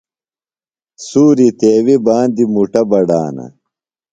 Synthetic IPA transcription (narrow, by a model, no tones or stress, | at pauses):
suːɾit̪eːwibaːnd̪imuʈɐbɐɖaːnɐ̰